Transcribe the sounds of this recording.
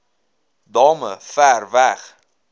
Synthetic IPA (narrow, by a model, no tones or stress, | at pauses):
dɑːmə̰færvæχ